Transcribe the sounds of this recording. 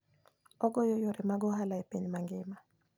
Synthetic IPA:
ɔɡɔjojoɾemaɡɔɦalaepeɲmaŋɡɪma

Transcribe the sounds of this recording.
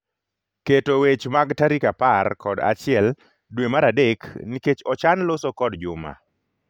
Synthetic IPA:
ketowet͡ʃmaɡtaɾikaparkʰɔda̰t͡ʃɪɛl | dwemaɾadekniket͡ʃɔt͡ʃanlosokɔdd͡ʒʊma̰

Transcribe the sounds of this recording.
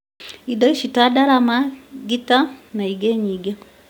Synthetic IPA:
idɔiʃitadaɾamaɡitanaiɡɛɲiɡɛ

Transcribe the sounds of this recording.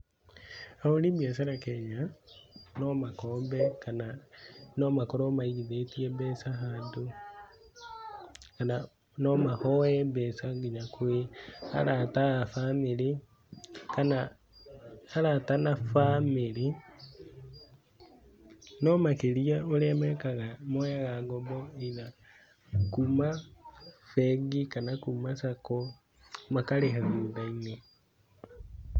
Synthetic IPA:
aolibjas̬aɾakɛɲa | nɔmakɔːmbɛkananɔmakɔɾɔmaiɡiðetiɛbɛsaɦado | kana | nɔmahɔɛbɛsaɡiɲakʰwea̰ɾataafamiɾi | kana | haɾatanafamili | nɔmakeliaolemɛkaɣamɔaɣaɡɔbɔina | kuma | fɛɡikanakumasakɔ | makaleɦaɣuːdaine

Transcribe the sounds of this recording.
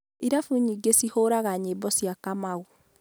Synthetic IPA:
iɾafuɲiːɡesihoɾaɣaɲeːbɔsjakamaɣo

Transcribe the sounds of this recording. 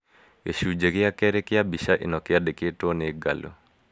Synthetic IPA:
eʃud͡ʒekɪakɛɾekɪjabiʃaʔḭnɔkɪadeketoneɡa̰lo̰

